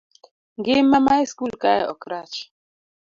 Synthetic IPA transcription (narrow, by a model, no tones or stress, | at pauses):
ŋɡɪmamajskulkajaɔkɾat͡ʃ